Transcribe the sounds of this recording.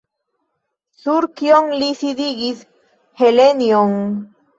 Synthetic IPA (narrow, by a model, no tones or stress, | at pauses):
suɾkjoŋlisid̪iɡis | helenjoŋ